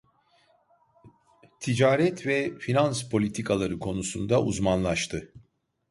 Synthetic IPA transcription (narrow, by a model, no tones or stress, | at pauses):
t̪ʰid͡ʒaːɾɛt̪ʰvɛfinanspʰo̞lʲit̪ʰikʰalˠaɾɯkʰo̞nusund̪aʔuzmanlˠaʃt̪ʰɯ